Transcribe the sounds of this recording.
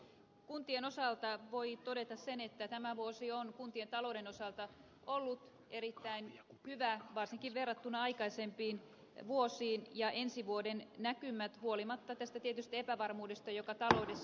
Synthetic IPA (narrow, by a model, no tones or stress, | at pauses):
kunt̪ienosɑlt̪ɑʋoit̪odet̪ɑssenet̪ːæt̪æmæʋuosionkunt̪ient̪ɑloudenosɑlt̪ɑ | ʔolːut̪ | eɾit̪ːæinhyʋæʋɑrsiŋkiʋʋerːɑt̪ːunɑɑikɑisempiːn | ʋuosiːnjɑʔensiʋuodennækymæt̪huolimɑt̪ːɑt̪æst̪æt̪iet̪yst̪epæʋɑrmuːdest̪ɑjokɑt̪ɑloudes